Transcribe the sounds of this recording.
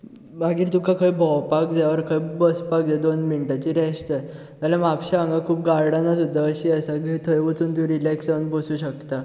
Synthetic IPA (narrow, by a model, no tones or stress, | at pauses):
baɡiːɾt̪ũkʰakʰəjbʱɔwpak̚d͡zaʋəɾkʰəjbəspak̚d͡zed̪onminʈat͡ɕiːɾɛɕt̪ə | t̪alãmapɕaə̃ŋɡakʰuːpɡaɾɽanasud̪ʱːaəɕiːəsaɡit̪ʰəjʋət͡suːnt̪ũɾilɛksənbəsuːɕəkt̪a